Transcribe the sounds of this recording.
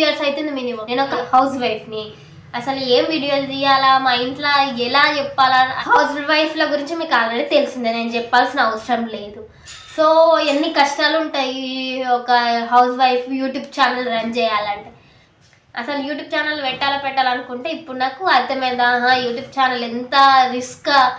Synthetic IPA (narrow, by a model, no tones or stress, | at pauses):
jɐːɾsɐjt̪eund̪iminimɐneːnɔkɐhɐwsʋɐjfni | ɐsɐlueːmʋiːɽijɐːld͡ʒijaːlaːmaːiɳʈlaːɛlaːt͡ʃɛpːaːlahɐwsʋɐjfloːɡuɾiɲt͡ʃimiːkaːlɐɾɐɽit̪elusind̪ineːnud͡ʒɛpːaːlsinɐːɐʋɐsɾɐmle̞ːd̪u | soːenːikɐʂʈaːluɳʈaːjiɔkɐɦɐwsʋɐjfjuːʈjuːb̚t͡ʃaːnɐlɾɐɲt͡ʃɛːjaːlɐɳʈeː | ɐsɐlujuːʈ̬juːb̚t͡ʃaːnɐlʋɛʈːaːlɐpɛʈːaːlɐnukuɳʈeːipːuɽunaːkuɐɾt̪ʰɐmɛːd̪ɐɦajuːʈjuːb̚t͡ʃaːnɐlent̪ɐɾisk